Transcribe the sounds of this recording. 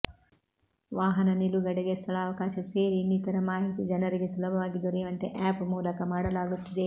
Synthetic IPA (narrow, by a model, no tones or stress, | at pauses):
ʋaːɦɐnɐniluɡɐɽeɡest̪ʰɐɭaːʋɐkaːʃɐse̞ːɾinːit̪ɐɾɐmaːɦit̪id͡ʒɐnɐɾiɡe̞sulɐbʱɐʋaːɡid̪uɾɛːʋɐnt̪eʔaːpmuːlɐkɐmaːɽɐlaːɡut̪ːɐd̪e̞